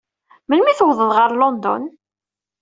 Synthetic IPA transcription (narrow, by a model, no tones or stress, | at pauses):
mənmiθəwðˤəðʁəɾˤlɔnd̪ɔ̰n